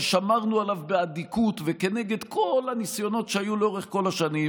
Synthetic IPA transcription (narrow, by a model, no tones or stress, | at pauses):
ʃamaʁnualavbeadikut̪veke̞ne̞ɡe̞d̪kʰo̞lhanisjo̞no̞tʃeajuleo̞ʁeχko̞laʃanim